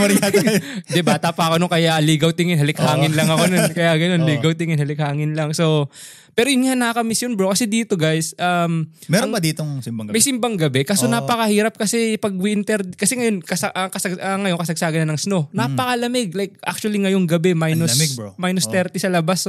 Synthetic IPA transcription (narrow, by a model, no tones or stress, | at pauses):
pɐɾɪad̪ɛbaːt̪ɐpɐɐkonoŋkɐjaʔliːɡɐwt̪ɪŋɪnhɐlɪkhaːŋɪnlɐŋɐko̞nonkɐjaɡɐno̞nliːɡɐwt̪ɪŋɪnhɐlɪk̚haːŋɪnlɐŋso̞w | pɛːɾojʊnŋanɐkakɐmɪsjonbɾokɐsɛd̪iːt̪o̞ɡajsʔɐmmɛɾɐd̪iːt̪oɪmbmɐjsɪmbaŋɡɐbɛkaːsonapɐkɐhiːɾɐp̚kɐsɛpɐɡ̚wiʔɪnt̪ɛɾd̪kɐsɛŋɐjo̞nkɐsɐʔɐkɐsɐɡɐŋɐjonkɐsɐɡ̚saːɡɐnːɐnɐŋsnonapɐkɐlɐmɛɡ̚lajk̚ʔa̰k̚t͡ʃuɐliŋɐjoŋɡɐbɛmajnosmajnost̪ɛɾt̪ɛsɐlɐbas